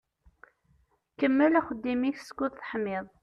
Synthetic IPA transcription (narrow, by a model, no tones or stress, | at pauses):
kəmːəlæχəd̪ːimiçsə̥kʷːʊðθə̥ħmɪðˤ